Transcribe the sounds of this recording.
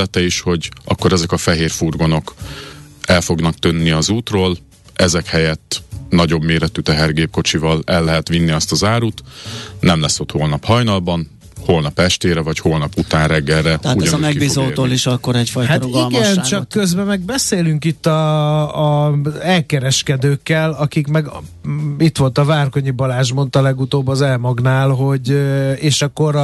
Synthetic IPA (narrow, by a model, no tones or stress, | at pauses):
t̪ɛiʃho̞ɟʔɒ̰kːo̞ɾɛzɛkɒfɛɦeːrfurɡo̞no̞k | ɛlfo̞ɡnɒk̚t̪ønːiɒzuːt̪roːl | ʔɛzɛkhɛjɛt̪ːnɒɟo̞bmeːɾɛt̪ːyt̪ɛɦɛrɡeːp̚ko̞t͡ʃivɒlɛlːɛɦɛt̪ʋinːiɒst̪ɒzaːɾuːt̪nɛmlɛsːo̞t̪hoːlnɒphɒjnɒlbɒn | ho̞lnɒpɛʃt̪eːɾɛvɒcholnɒput̪aːnrɛɡːɛrːɛt̪ːumɛɡibiːzoːt̪oːliʃɒkːoɾɛcfɔjhaɾoɡiɡɛnt͡ʃɒkːøzbɛmɛɡ̚bɛseːlyŋkit̪ːɒː | ɛlkɛɾɛʃkɛd̪øːkːɛlɒkikmɛɡ | it̪ʋo̞lt̪ɒvaːrko̞ɲibɒlaːʒmo̞nt̪ɒlɛɡut̪oːbːɒzɛlmɒɡnaːlɦo̞ɟeːʃɒkːo̞ɾ